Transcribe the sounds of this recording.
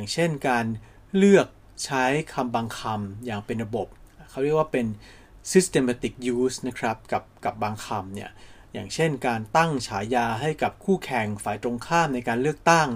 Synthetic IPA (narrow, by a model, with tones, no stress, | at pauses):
ŋt͡ɕʰe˥˩nkaː˧n | lɯ˥˩ək̚ | t͡ɕʰa˦˥jkʰa˧mbaː˧ŋkʰa˧mjaː˨˩ŋpe˧nɾa˧bo˨˩p̚kʰa˦˥˩wɾi˥˩kwaː˥˩pe˧n | si˦˥st̪e˧maː˧t̪i˨˩k̚juː˦˥sna˦˥kʰɾa˦˥p̚ka˨˩p̚ka˨˩p̚baː˧ŋkʰa˧mni˥˩ɐ | jaː˨˩ŋt͡ɕʰe˥˩nkaː˧nt̪a˥˩ŋt͡ɕʰaː˩˦jaː˧ɦa˥˩jka˨˩p̚kʰuː˥˩kʰɛ˨˩ŋfaː˨˩jt̪ɾo˧ŋkʰaː˥˩mna˧jkaː˧nlɯ˥˩ək̚t̪a˥˩ŋ